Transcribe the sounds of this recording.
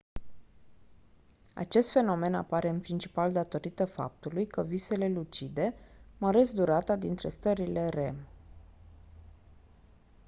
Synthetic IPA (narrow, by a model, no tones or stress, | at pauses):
a̰t͡ʃe̞st̪fe̞no̞me̞na̰paɾe̞ɨnpɾint͡ʃi̥pald̪at̪o̞ɾit̪əfa̰p̚t̪ulujkəvise̞le̞lut͡ʃid̪e̞məɾe̞sd̪uɾat̪ad̪int̪ɾe̞st̪əɾile̞ɾe̞̰m